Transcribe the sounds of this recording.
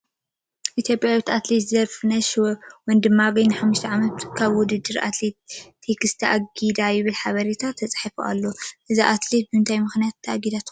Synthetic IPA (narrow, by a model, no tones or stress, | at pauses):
ʔit̪ʰjo̞pʼjawit̪at̪let̪zzɐɾfɨnɐʃwwɔnd̪ɨmːaɡɐjnɨħamːuʃt̪ʰɐʕamɐt̪kʰaβwʊd̪ɨd̪ːɨɾʔa̰t̪let̪ʰːekʰɨst̪ʰɐʔaɡid̪ajɪβɨlħaβɐɾet̪ʰat̪ʰːɐt͡sʼħifuʔa̰lːoʔɨziʔat̪let̪̚bɨɨnt̪ʰajmɨxnijat̪ʰːɐʔaɡid̪at̪